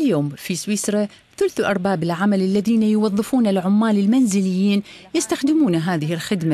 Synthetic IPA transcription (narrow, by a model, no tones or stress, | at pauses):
ɪljoːmfiswiːsɾˤɑ | θʊlθʔɑɾˤbaːbɪlʕamalɪlːaðiːnajʊwɑðˤːɨfuːnalʕʊmːaːlɪlmanzɪlɪjːiːnjɪst̪axd̪ɪmuːnaɦaːðɪɦɪlxɪd̪ma